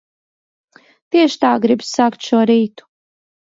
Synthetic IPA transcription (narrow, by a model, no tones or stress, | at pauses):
t̪iɛʃt̪aːɡɾibsakt̪ʃuɔɾiːt̪u̥